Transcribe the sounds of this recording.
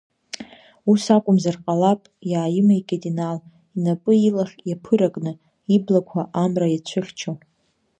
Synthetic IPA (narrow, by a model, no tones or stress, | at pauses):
usakʷʼʊmzarqʼalapʼjaːjɪmaikʲʼatʼinal | inapʼɨilaχʲjapʰɨɾakʼnɨ | iblakʷʰaʔamrajat͡ɕʷʰɨχʲt͡ʃʰo